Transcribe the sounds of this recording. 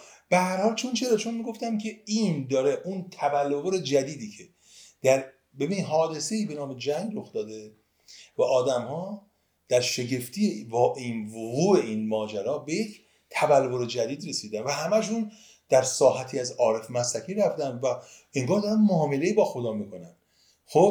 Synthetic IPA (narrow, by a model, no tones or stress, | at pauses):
b̥ehæɾhɒːlt͡ʃʰont͡ʃʰe̞ɾɒt͡ʃʰo̞nmiɡo̞ft̪æmkʲʰeiːnd̪ɒːɾe̞ʔunt̪ʰævælːovoɾe̞d͡ʒæd̪iːd̪iːcʰe̞ | d̪̥æɾ | be̞biːniɦɒːd̪e̞se̞iːbe̞nɒːmed͡ʒæŋɡɾoxd̪ɒːd̪e̞ | væʔɒːd̪æmhɒː | d̪̥æɾʃe̞ɟe̞ft̪ʰijevʔinvoɣuːe̞iːnmɒːd͡ʒæɾɒːbe̞je̞cʰ | t̪ʰævælvoɾed͡ʒæd̪iːd̪ɾe̞siːd̪ænvæɦæmæʃun | d̪̥æɾsɒːɦæt̪ʰiːæzɒːɾe̞fmæsækʰiːɾæfd̪ænd̪væ | e̞ŋɡɒːɾd̪ɒːɾænmoːmele̞iːbɒːxo̞d̪ɒːmikʰo̞nænd̪̥ | xob